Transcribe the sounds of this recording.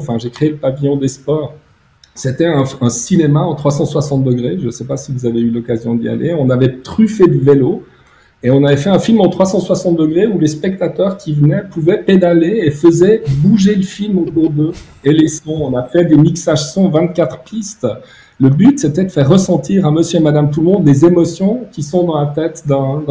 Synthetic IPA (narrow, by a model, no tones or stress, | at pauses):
fɛ̃ʒekχeeləpavijɔ̃d̪espɔːʁ | set̪ɛɛ̃ɛ̃sinemaɑ̃t̪χwasɑ̃swasɑ̃t̪̚d̪əɡʁeʒəsɛpasivuzaveylɔkazjɔ̃d̪ḭa̰lḛɔ̃navɛt̪χyfed̪əvelo | eɔ̃navɛfɛɛ̃filmɑ̃t̪χwasɑ̃swasɑ̃t̪̚d̪əɡʁeulespɛk̚t̪at̪œːʁkʰʲivənɛpuvɛped̪aleːfəzɛbuʒeləfilmot̪uʁd̪ə | elesɔ̃ɔ̃nafɛd̪emiksaʒsɔ̃vɛ̃t̪̚kʲat̪χpʰist̪ | ləbyt̪sɛt̪ɛd̪əfɛʁːəsɑ̃t̪iʁaməsjøemad̪amt̪ulmɔ̃d̪lezemɔsjɔ̃kʲisɔ̃d̪ɑ̃lat̪ɛt̪d̪ɛ̃d̪